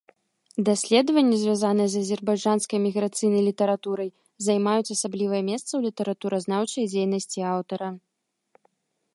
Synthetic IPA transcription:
d̪asʲlʲɛd̪vɐnʲːizʲvʲjazanɨjɛzɐzʲɛrbajd͡ʐanskɐjmʲiɣɾat̪sɨjnɐjlʲit̪ɐɾat̪uɾɐj | zajmajut͡sʲasablʲivɐjɛmʲɛst̪sɐwlʲit̪ɐɾat̪uɾɐznawt͡ʂɐjd͡zʲejnɐsʲt͡sʲiawt̪ɐɾɐ

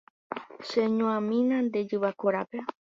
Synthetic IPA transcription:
ʃeɲõãmĩnãnd̪ed͡ʒɨβakoɾape

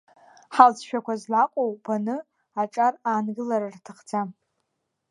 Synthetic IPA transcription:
ħalt͡sʰʃᶣakʷazlaqʷʼowb̥anɨ | aʈ͡ʂʼaraːnɡɨlaɾartʰɨχt͡sʰa

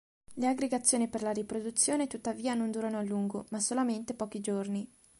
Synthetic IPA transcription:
leaɡɾeɡat̪sːjoːniperlaɾipɾod̪ut̪sːjoːnet̪ut̪ːaviːanond̪uːɾanoalːuŋɡomasolament̪epɔːkid͡ʒorni

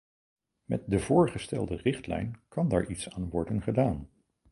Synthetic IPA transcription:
mɛ̰t̚dəv̥ʊːɹχəstɛlˠdərɪχtlɛ̰jnkɑndaːɹʔitsaːnʋɔɹdənχədaːn

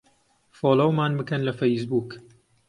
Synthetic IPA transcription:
foːlowmaːnbɨkɐnlɐfejs̬buːk

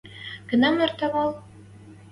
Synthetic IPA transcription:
ɡ̥ɤ̆nɑmɑrt̪ɑβɑlˠ

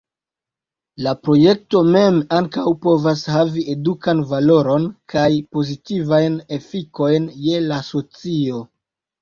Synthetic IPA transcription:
lapɾo̞je̞k̚to̞me̞maŋkawpo̞vashavie̞dukanvalo̞ɾo̞nkʰajpo̞zitivajne̞fiko̞jnje̞laso̞t͡sio̞

